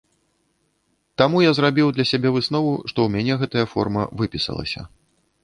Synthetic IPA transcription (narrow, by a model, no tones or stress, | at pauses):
t̪amujazɾabʲiwd̪lʲɐsʲabʲɛvɨsnɔvuʂt̪ɔwmʲanʲɛɣɛt̪ɐjɐfɔ̰rmɐ̰vɨpʲisɐ̰lˠɐ̰sʲɐ̰